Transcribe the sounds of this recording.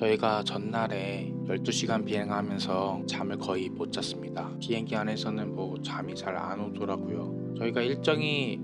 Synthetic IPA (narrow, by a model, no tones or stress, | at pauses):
t͡ɕʌiɡat͡ɕʌnːaɾe̞ | jʌɭt͈uɕʰiɡanpiɦe̞ŋɦamjʌnsʰʌt͡ɕamɯɭkʌipot͡ɕ͈ʰas͈ɯmɲidakiɦeŋɡianɦe̞sʰʌnɯnmʌt͡ɕamit͡ɕʰaɾa̰nod͡ʑoɾaɡujo | t͡ɕʌiɡaiɭt͡ɕ͈ʌŋi